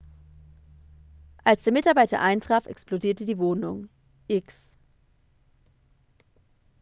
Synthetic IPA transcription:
ʔalsd̥eːɐmɪtaɐbaɪtɐ̰ʔaɪntʁ̥aːfɛ̰kspl̥odiːɐtədiːvoːnʊŋ | ʔɪks

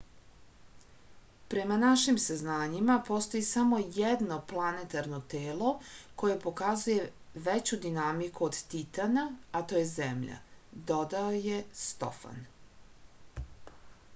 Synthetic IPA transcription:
pɾe̞manaʃimsaznaːɲimapo̞st̪o̞jisamo̞jed̪no̞plˠanet̪aɾno̞t̪eːlˠo̞ko̞je̞po̞kazuje̞ | ʋet͡ɕud̪inamikuod̪t̪it̪anaat̪o̞ːje̞zemʎa̰d̪o̞d̪aojest̪o̰fa̰n

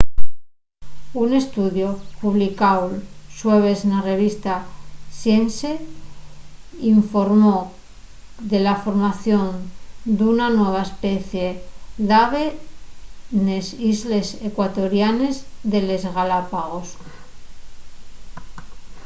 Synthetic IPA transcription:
une̞st̪uðjo̞puβlikawlsweβe̞znare̞β̞ist̪asjense | iɱfo̞ɾmo | ðe̞lafo̞ɾmaθjo̞nd̪unanwe̞β̞aespeθje̞ðaβe | nesizle̞sekwat̪o̞ɾjanezðe̞le̞zɣalapaɣo̞s

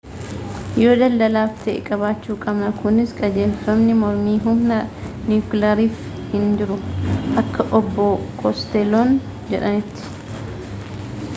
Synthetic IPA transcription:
jo̞ːd̪ɐld̪ɐlaːft̪ḛːkʼɐβaːt͡ʃːuːkʼɐbnɐkʊnɪskʼɐd͡ʒeːfɐmnɪmɔɾmiːɦʊmnɐniklɐɾiːf | hɪnd͡ʒɪɾʊʔɐkːɐʔɔbːɔkʰɔst̪ɛloːn | d͡ʒɛᶑɐnɪt̪ːɪ̥

